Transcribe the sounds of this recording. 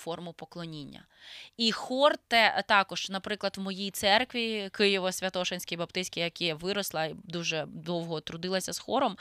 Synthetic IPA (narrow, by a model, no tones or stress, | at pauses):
fɔrmʊpɔklˠɔnʲinʲːɐ̰ | ixɔrt̪ɛt̪ɑkɔʒ̥nɐpɾɪklˠɐd̪wmɔjijt̪sɛrkʋʲikɪjɔʋɔsʲʋʲɐt̪ɔʃenʲsʲkʲijbɐpt̪ɪsʲkʲɪjɐkʲijʋɪɾɔslˠɐid̪uʒɛd̪ɔwɦɔt̪ɾʊd̪ɪlˠɐsʲɐz̥xɔɾɔm